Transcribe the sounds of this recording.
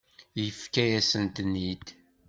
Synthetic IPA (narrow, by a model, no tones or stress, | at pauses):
jəfkæjæsənt̪nːid̪